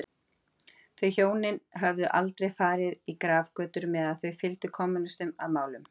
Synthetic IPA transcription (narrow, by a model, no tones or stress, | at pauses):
θœɥçjoːwnɪnɦœvðʏʔalt̪ɾejfaːɾɪðikɾaːvkœːt̪ʏɾmɛːðaðθœɥfɪlt̪ʏkʰɔmʏnʏst̪ʏmaðmaːwlʏm